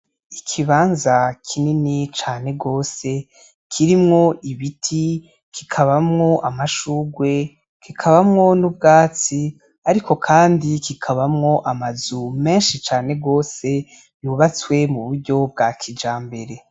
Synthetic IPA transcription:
ikʰiβaːnzakʰininit͡ʃaːne̞ɡo̞ːse̞ | kʰiɾimŋo̞ʔiβitʰi | kʰikʰaβamŋo̞ʔamaʃuːɡwe̞ | kikʰaβamŋo̞nub̚ɡaːt͡si | aɾikʰo̞kʰaːndikikʰaβamŋo̞ʔamazume̞ːnʃit͡ʃaːne̞ɡoːse̞ | juβat͡swe̞muβuɾɟo̞b̚ɡakʰid͡ʒaːmbe̞ɾe̞

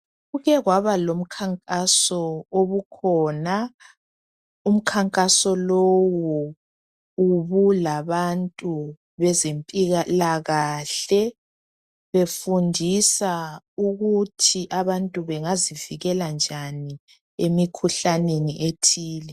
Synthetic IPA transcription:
ɣuɣɛɣwaβalom̩kʰaŋkʼasɔoβukʰɔna | um̩kʰaŋkʼasɔlowɔ | uβulaβantʼu | βɛzempʼiɣalaɣaːɬɛ | βefundʱisa | uɣutʰiʔaβantʼuβɛŋaziviɣɛland͡ʒʱani | emikʰuɬaneniʔetʰiːlɛ

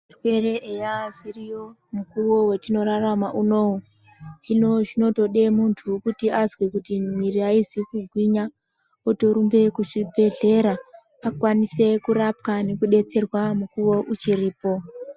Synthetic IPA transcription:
ʐikwere̞ʔejaʐirijo̞ | mukuwo̞wetino̞ɾaramaʔuno̞u | inoʐino̞to̞ɗe̞muntʰukutiʔazwekutimiriaizikuɡʱwiɲa | oto̞ɾumbe̞kuʐibe̞ɮe̞ɾa | akwanise̞kuɾapkane̞kuɗe̞t͡se̞rwamukuwo̞ʔut͡ʃiriːpo̞

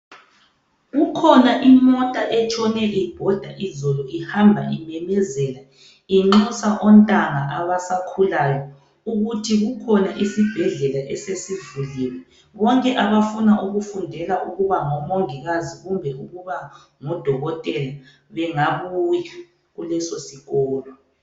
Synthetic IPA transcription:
ɣukʰɔnaʔimɔtʼaʔɛt͡ʃʰɔnɛʔib̥ʱɔd̥ʱaʔizɔlɔihambʱaimɛmɛzɛla | iŋ͡ǃɔsaʔɔntʼaŋaʔaβasakʰulajɔ | uɣutʰiɣukʰɔnaʔisib̥ʱɛɮɛlaʔɛsesivuliwɛ | βɔŋkʼɛʔaβafunaʔuɣufundʱɛlaʔuɣuβaŋɔmoŋiɣaziɣumbʱɛuɣuβa | ŋɔd̥ʱɔɣɔtʼɛla | βɛŋaβuki | ɣulɛsosiɣɔːlɔ

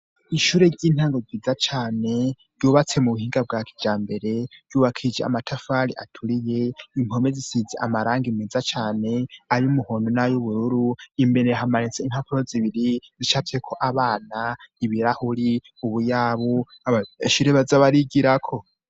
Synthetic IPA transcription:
iʃuɾe̞ɟiːn̥haːŋɡoziːd͡zat͡ʃaːne̞ | ɾjuβat͡se̞muβuhiːŋɡab̚ɡaːkʰi̥d͡ʒaːmbe̞ɾe̞ɾjuβakʰid͡ʒḛa̰matʰafaːɾiʔa̰tʰuɾije̞imo̞mezisizeʔa̰maɾaːŋɡimizat͡ʃaːne̞aɾiumuhondonajuβuɾuɾuimbe̞ɾeɦamanit͡sein̥hapuɾoziβiɾizit͡ʃatekʰo̞ʔaβaːnaiβiɾahuɾi | uβujaːβu | aβaiʃuɾeβazaβaɾiɡiɾakʰo̞

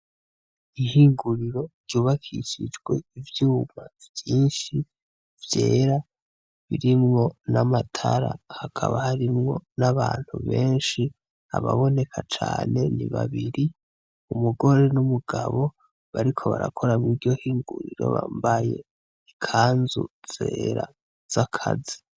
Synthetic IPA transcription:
ihiːŋɡuɾiɾo̞ɾɟuːβakʰḭʃid͡ʒɡwe̞ivjuːmavjiːnʃi | vje̞ːɾa | βiɾimŋo̞namatʰaɾa̰hakʰaβahaɾimŋo̞naβaːn̥huβe̞ːnʃi | aβaβo̞ne̞kʰat͡ʃaːne̞niβaβiɾi | umuɡo̞ɾe̞numuɡ̥aβo̞ | βaɾikʰo̞βa̰ɾa̰kʰo̞ɾamwiːdɟo̞hiːŋɡuɾiɾo̞̰βa̰mbaje̞ | ikʰaːnzṵz̥eːɾa | z̥akʰazi̥

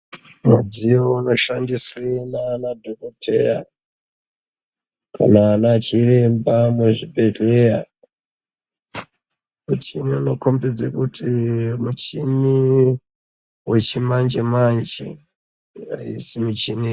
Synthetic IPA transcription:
mud͡zijouno̞ʃandiswenaːnadʱokotʰḛja | kʰa̰naːnaːt͡ʃirembamuʐibʱe̞ɮeɾa | mut͡ʃiniano̞kombed͡zekutʰimut͡ʃini | wet͡ʃimand͡ʒemand͡ʒe | a̰ḭsimut͡ʃini

